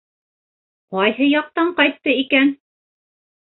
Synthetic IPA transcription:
qɑjhɤjɑq̚t̪ɑɴqɑjt̪ːɤikæn

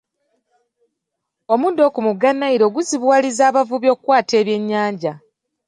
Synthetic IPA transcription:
o̞muːndo̞ːkumuɡanːaiɾo̞ːɡuziβwaːlizaːβavuβjo̞ːkwaːte̞ːβje̞ɲːaːɲɟa

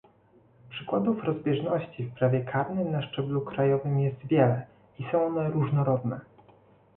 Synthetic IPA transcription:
pʂɘkwad̪ufɾɔzbʲjɛʐnɔɕt͡ɕifpɾavʲjɛkʰaɾnɘmnaʂt͡ʂɛblukɾajɔvɘmjɛst̪vʲjɛlɛ | isɔ̃w̃ɔnɛɾuʐnɔɾɔd̪nɛ

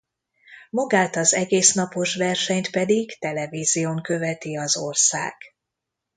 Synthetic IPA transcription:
mɒɡaːt̪ɒzɛɡeːsnɒpo̞ʃvɛrʃɛɲt̪pɛd̪iɡt̪ɛlɛviːzijoŋkø̞vɛt̪iɒzo̞rsa̰ːɡ̥

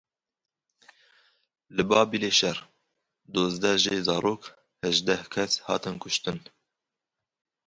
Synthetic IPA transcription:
lɨbɑːbileːʃɛr | d̪oːzd̪ɛʒeːzɑːɾoːk | hɛʒd̪ɛhkʰɛshɑ̰ːt̪ɨnkʰʊʃt̪ɨn

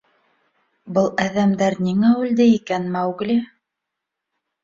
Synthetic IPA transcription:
bɤlˠæðæmd̪æɾnʲiŋæʉld̪ɘikænmæwɡlʲi

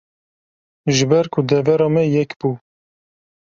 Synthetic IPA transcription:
ʒɨbɛɾkʰud̪ɛvɛɾɑːmɛjɛkb̥uː

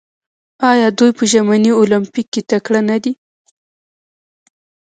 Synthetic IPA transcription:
ɑjɑd̪ujpəʒamaniolampikːet̪akɽanad̪i

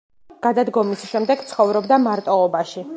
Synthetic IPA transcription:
ɡ̥ad̪ad̪ɡɔmisʃɛmd̪ɛɡt̪sʰχɔvɾɔbd̪amaɾt̪ʼɔɔbaʃi

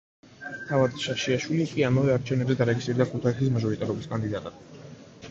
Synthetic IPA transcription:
t̪ʰavad̪ʃaʃiaʃwilikʼiamavɛaɾt͡ʃʰɛvnɛbzɛd̪aɾɛɡisiɾd̪akʰut̪ʰaisis̬maʒɔɾit̪ʼaɾɔbiskʼand̪id̪at̪ʼad̪

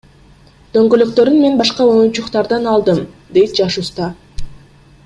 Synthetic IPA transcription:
d̪̥ø̞ŋɡøløkt̪ø̞ɾynme̞nbɑʃqɑo̞junt͡ʃuqt̪ɑɾd̪ɑnɑlˠd̪ɯmd̪e̞jt̪̚d͡ʒɑʃust̪ɑ

